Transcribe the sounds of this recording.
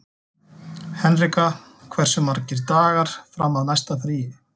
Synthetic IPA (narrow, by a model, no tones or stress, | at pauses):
hɛnrika | kʰvɛr̥sʏmːaɾcɪɾt̪aːɣaɾ̥fɾamːaðnajst̪aθɾiːɪ